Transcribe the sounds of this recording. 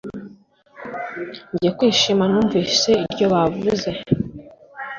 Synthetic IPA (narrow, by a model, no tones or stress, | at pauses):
ɲɟijekwiːʃimanuːɱviːse̞iɾɟo̞βavuze̞